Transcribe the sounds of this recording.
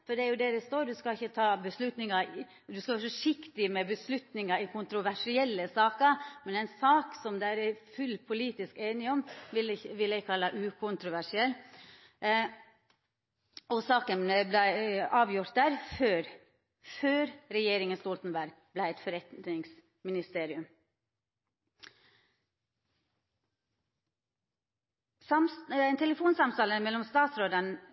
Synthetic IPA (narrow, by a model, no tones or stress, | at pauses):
fɔɖd̪ɛæɾjʊd̪ɛɾɛst̪oːɾd̪ʉskɑɪçːət̪ʰɑːbəslʉt̪nɪŋɑ | d̪ʉskɑʋæːɾfɔʂɪkt̪ɪmɛbəslʉt̪nɪŋɑɪkʰʊnt̪ɾʊʋæʂɪɛlːəsɑːkəɾmɛnɛɪnsɑːksɔmd̪ɛæɾæfʉlːpʰʊliːt̪ɪskeːnɪɔmʋɪlʋɪlæɪkʰɑlːɑʔʉːkʰʊnt̪ɾʊʋæʂɪɛlː | ʔɔsɑːkənəblæɪɑːʋjʊɾt̪̚d̪æːɾføːɾ | føːɾɾɛjeːɾɪŋənst̪oːlt̪n̩bæɾɡ̚ | blæɪɛt̪fɔɾɛt̪ɪŋs | mɪnɪst̪eːɾɪʉm | sɑmɛɪnt̪ʰɛləfuːnsɑmt̪ɑːləmɛlːɔmst̪ɑːt̪sɾoːd̪ən